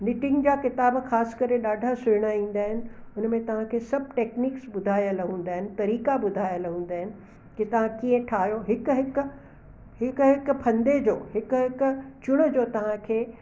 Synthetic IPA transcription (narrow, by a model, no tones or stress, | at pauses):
nɪʈɪ̃ŋɡd͡ʑaːkɪt̪aːbxaːskɐɾeɗaːɖʱasʊɪɽ̃aĩːn̆d̪aːɦɪnɪ̆ʊnmẽt̪ɐʋ̤ãkʰeːsɐb̚ʱʈeːkniːksɓʊd̪ʱaːjəlɦũːn̆d̪aːɦɪnɪ̆t̪ɐɾiːkaɓʊd̪ʱaːjəlɦũːn̆d̪aːɦɪnɪ̆ | kit̪ɐʋ̤ãkiə̃ʈʰaːɦjoɦɪkɦɪk | ɦɪkɦɪkpʰɐ̃nd̪ed͡ʑoːɦɪkɦɪkt͡ɕʊɽ̃əd͡ʑoːt̪ɐʋ̤ãkʰeː